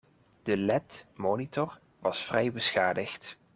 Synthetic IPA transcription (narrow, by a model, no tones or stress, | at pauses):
d̥əlɛtmoːnitɔr | ʋɑsfrɛjbəsχaːdəxt